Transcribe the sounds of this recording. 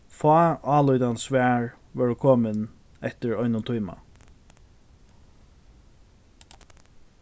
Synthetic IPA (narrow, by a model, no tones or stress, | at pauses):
fɑːɑːlɔjt̪ansʋæːɹ | ʋɛːɹʊkʰoːmɪn | ɛht̪ɪɹɔjnʊnt̪ʰujma̰